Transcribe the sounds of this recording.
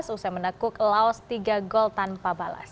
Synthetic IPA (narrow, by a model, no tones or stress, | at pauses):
susamənakʊklaɔst̪iɡaɡɔlt̪anpabala̰s